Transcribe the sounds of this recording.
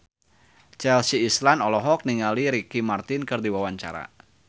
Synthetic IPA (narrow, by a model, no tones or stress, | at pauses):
t͡ʃɛlsiːslanɔlɔɦɔk̚niŋaliɾikimart̪ɪnkɨrdiwawaɲt͡ʃa̰ɾa̰